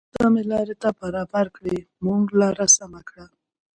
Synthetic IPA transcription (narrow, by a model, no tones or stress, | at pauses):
d̪̥ɑmɪlɑɾet̪abaɾɑbaɾkɽe | muŋɡlaɾasamakɽa